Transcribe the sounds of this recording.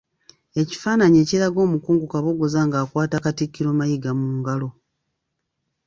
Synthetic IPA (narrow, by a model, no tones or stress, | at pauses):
e̞ci̥faːnaɲe̞ːciɾaɡo̞ːmukuːŋɡukaβo̞ɡozaːŋɡaːkwaːtakatikːiɾo̞ːmajiɡamuːŋɡalo̞